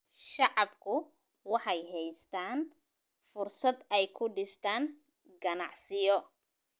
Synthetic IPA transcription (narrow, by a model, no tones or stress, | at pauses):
ʃɑʕɑbkʰʊ | wɑħɑjɦɛjst̪ʰaːn | fʊrsɐd̪ɛjkʰʊɖɪst̪ʰaːn | ɡɐnɑʕsɪjɔ